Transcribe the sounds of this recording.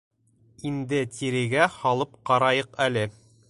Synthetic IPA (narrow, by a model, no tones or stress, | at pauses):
ind̪ɘt̪ʰiɾɘ̆ɡæhɒlˠɤp̚qɑɾɑjɤqælɘ